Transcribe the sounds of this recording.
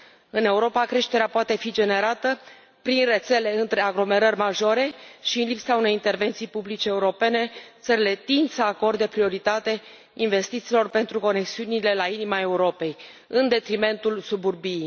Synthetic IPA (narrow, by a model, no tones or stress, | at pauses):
ɨne̞uɾo̞pakɾe̞ʃt̪e̞ɾeapoat̪e̞fid͡ʒe̞ne̞ɾat̪ə | pɾinre̞t̪se̞le̞ɨnt̪ɾe̞aɡlo̞me̞ɾərʲmaʒo̞ɾe̞ʃiɨnlipsaune̞jint̪e̞rve̞nt̪sijpublit͡ʃeːuɾo̞pe̞ne̞t̪səɾile̞t̪insəako̞rd̪epɾio̞ɾit̪at̪e̞ | inve̞st̪it̪siːlo̞rpe̞nt̪ɾuko̞ne̞ksiunile̞lainimae̞uɾo̞pe̞j | ɨnd̪e̞t̪ɾime̞nt̪ulsuburbi